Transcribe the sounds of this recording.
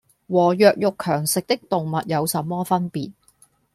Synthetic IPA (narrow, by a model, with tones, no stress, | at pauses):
wɔː˨˩jœː˨k̚jʊ˨kʰːœː˨˩ŋsɪ˨k̚t̪ɪ˥k̚t̪ʊ˨ŋmɐ˨t̚jɐ˨˧wsɐ˨mːɔː˥fɐ˥npiː˨˩t̚